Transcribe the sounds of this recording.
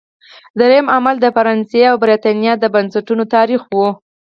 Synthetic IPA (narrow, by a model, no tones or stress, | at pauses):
d̪ɾajamamald̪əfaɾɑnseawbɾet̪ɑnjɑd̪əbansaʈunot̪ɑɾixwu